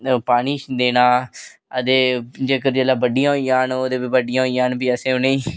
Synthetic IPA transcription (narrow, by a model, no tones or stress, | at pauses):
paːɽ̃iːt͡ʃd̪eːnaːəd̪eːd͡ʒeːkəɾd͡ʒelaːbəɖɪjãːɦoijãːnoːd̪eːbiːbəɖɪjãːɦoːijãːnbiːəsẽːʊnẽː